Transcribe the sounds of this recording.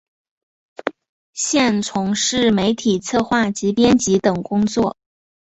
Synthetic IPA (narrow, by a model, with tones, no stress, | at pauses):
ɕjɛ˥˩nt͡sʰʊ˧˥ŋʂɻ̩˥˩me˧˥ɪt̪ʰi˨˩t͡sʰɤ˥˧xwa˥˩t͡ɕi˧˥pjɛ˥nt͡ɕi˧˥t̪ɤ˨˩ŋkʊ˥ŋt͡swɔ˥˩